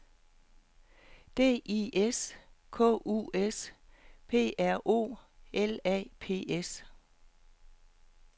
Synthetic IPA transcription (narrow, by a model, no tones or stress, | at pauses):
d̥e̝̰ːʔiʔeskʰɔ̰ːṵːespʰe̝̰ːæɐ̰ʔo̝̰ːelɛ̰ːpʰe̝̰ːʔes